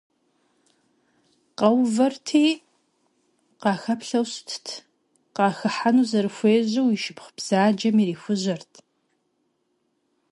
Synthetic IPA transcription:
qɐwvɐrtʰiː | qɑːxɐpɬɐwɕtʰtʰ | qɑːxɨħanuːzɐɾɨxʷeːʑɐwiʃɪpχbz̥aːd͡ʒɐmiːriːxʷʊʑɐrtʰ

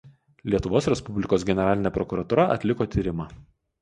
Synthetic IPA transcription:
lʲiɛt̪ʊʋoːsɾʲɛspʊbʲlʲɪkoːsɡʲɛnʲɛɾɑːlʲɪnʲɛːpɾɔkʊɾɐt̪uːɾɐʔɐ̰t̪ʲlʲɪkoːt̪ʲiːɾʲɪmɑː

